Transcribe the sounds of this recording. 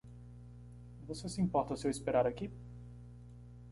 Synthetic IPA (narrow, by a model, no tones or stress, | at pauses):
vosesʲimpɔrt̪usewispeɾaɾakʲip